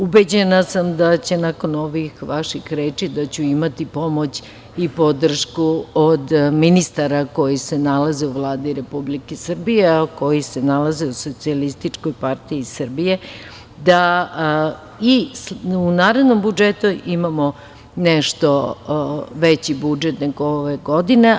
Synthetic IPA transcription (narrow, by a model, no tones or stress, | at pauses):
ubed͡ʑenasamd̪at͡ɕe̞nako̞noʋixʋaʃixɾeːt͡ʃid̪at͡ɕuimat̪ipo̞mo̞t͡ɕ | ipo̞d̪r̩ʃkuod̪minist̪aɾako̞jise̞nalaze̞uʋlˠaːd̪iɾe̞publikesr̩bijeko̞jise̞nalazeuso̞t̪sialist̪it͡ʂko̞jpart̪iisr̩bije̞ | d̪a | isunaːɾed̪no̞mbud͡ʒet̪uʔimamo | neʃt̪o̞ | ʋet͡ɕibud͡ʒet̪ne̞ɡooʋeɡo̞d̪ine